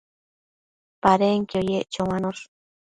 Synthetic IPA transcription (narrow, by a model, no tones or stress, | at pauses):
paɾeŋkiojeʔt͡ʃowanos